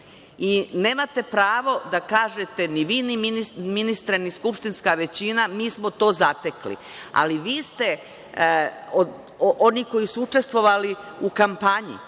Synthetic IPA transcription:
ine̞ːmat̪e̞pɾaːʋo̞d̪akaːʒet̪e̞niʋiːniminiminist̪ɾeniskupʃt̪inskaʋe̞t͡ɕinamiːsmot̪o̞ːzat̪eklḭ | a̰liʋiːst̪e̞ | o | ʔoniko̞jisuut͡ʃe̞st̪ʋo̞ʋaliukampaɲḭ

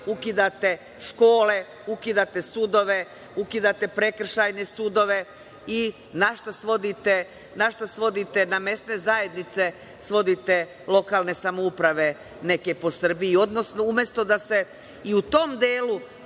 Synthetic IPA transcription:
ukid̪at̪e̞ | ʃko̞ːle | ukid̪at̪e̞sud̪o̞ʋe̞ | ukid̪at̪e̞pɾe̞kr̩ʃajne̞sud̪o̞ʋe̞ | i | naʃt̪asʋo̞d̪it̪e | naʃt̪asʋo̞d̪it̪e̞name̞sne̞zaje̞d̪nit̪se̞ | sʋo̞d̪it̪e̞ | lˠo̞kaːlˠne̞samoupɾaʋe̞ | ne̞ke̞po̞sr̩biio̞d̪nosnoumjest̪o̞d̪ase̞ | iut̪o̞md̪eːlu

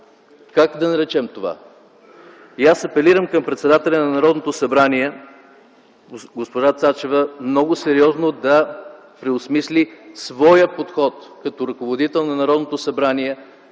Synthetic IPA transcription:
kakd̪ɐnɐɾɛt͡ʃɛmt̪ova̰ | jasɐpɛliɾəmkɐmpɾɛt̪sɛd̪at̪ɛlʲɐnɐnɐɾɔd̪not̪osɐbɾaniɛ | ɡospoʒat̪sat͡ʃɛvəmnɔɡosɛɾiɔznod̪ɐ | pɾɛosmislisvɔjəpot̪xɔt̪kɐt̪ɔɾɐkovod̪it̪ɛlˠnɐnɐɾɔd̪not̪osɐbɾaniɛ

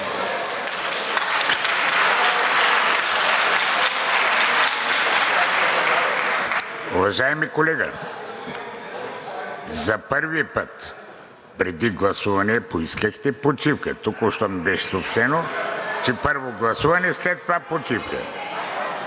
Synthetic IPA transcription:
uvɐʒaɛmikolɛɡɐ̰ | zɐpəɾvipət̪ | pɾɛd̪iɡlˠɐsuvɐnɛpoiskəxt̪ɛpot͡ʃifkə̰t̪okoʃt̪ɔmibɛʃɛsopʃt̪ɛnot͡ʃɛpəɾvoɡlˠɐsuvɐnɛslɛt̪ːovapot͡ʃifkə̰

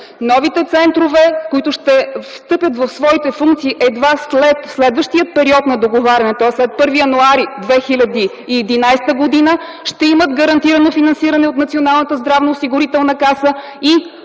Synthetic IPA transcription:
nɔvit̪ɛt̪sɛnt̪ɾovɛkoit̪ʊʃt̪ɛfst̪ɤpʲjət̪vɐfsvɔit̪ɛfuŋkt̪siːʔɛd̪vaslɛt̪slɛd̪vəʃt̪iət̪̚pɛɾiɔt̪nɐd̪oɡovaɾʲɐnɛt̪oaslɛt̪̚pɤɾvijɐnuaɾid̪vɛxilʲɐd̪iː | ɛd̪inajst̪əɡod̪inə | ʃt̪ɛiməd̪ɡəɾɐnt̪iɾənofinɐnsiɾɐnɛot̪nɐt̪sionalˠnət̪əzd̪ɾavnoosiɡʊɾit̪ɛlˠnəkasə | i

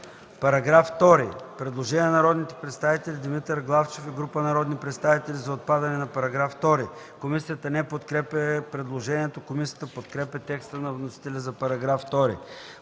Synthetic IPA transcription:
pɐɾɐɡɾaft̪ɔɾḭpɾɛd̪lˠoʒɛnʲinɐɾɔd̪nit̪ɛ̥pɾɛt̪st̪avit̪ɛlʲid̪imit̪əɾɡlˠaft͡ʃefɛɡɾupənɐɾɔd̪nipɾɛt̪st̪avit̪ɛlizɐot̪̚pad̪ɐnɛnɐpɐɾɐɡɾaft̪ɔɾi | komisijət̪ənɛpot̪kɾɛpəpɾɛd̪lˠoʒɛniɛt̪okomisijət̪əpot̪kɾɛpʲɛt̪ɛkst̪ənɐvnosi̥t̪ɛlʲəzɐpɐɾɐɡɾaft̪ɔɾḭ

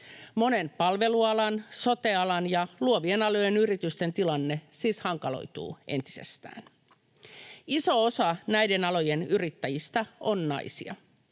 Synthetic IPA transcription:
mo̞ne̞npɑlʋe̞luɑlɑnso̞t̪eɑlɑnjɑluoʋienɑlo̞je̞nyrit̪yst̪e̞nt̪ilɑnːesiːshɑŋkɑlo̰jt̪ṵːʔe̞̰nt̪i̥sḛst̪æ̰ːn | iso̞osɑnæide̞nɑlo̞jenyrit̪ːæjist̪ɑonnɑ̰isḭɑ̰

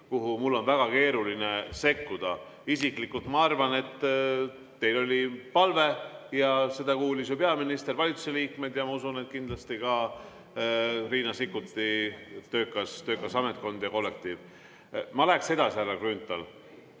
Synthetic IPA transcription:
kuɦumulːo̞nvæɡ̥ɑke̞ːɾuline̞se̞kːud̪̥ɑ | isiklikːult̪mɑɑrvɑne̞t̪ː | e̞jlo̞lʲipɑlve̞jɑse̞d̪ɑkuːlisjupe̞ɑminist̪e̞rvɑlʲit̪suseliːkmed̪̥jɑmɑusune̞t̪̚kind̪lɑst̪ikɑ | riːnɑsikːut̪ːit̪ø̞ːkːˑɑst̪ø̞ːkːˑɑsɑmet̪̚ko̞nd̪̥jɑko̞lːe̞k̚t̪iːv | mɑlæekse̞d̪̥ɑsiærːɑkrynt̪ːˑɑl

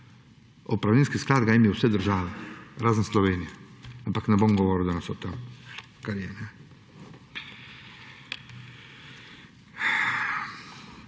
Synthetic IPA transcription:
opɾaʋlʲenskisklaːd̪ɡaimjɛusʋɛd̪əɾʒaːʋeɾaːzənsloʋeːnijaampaknɛbomɡoʋoɾiud̪anasot̪am | kaɾijenɛ

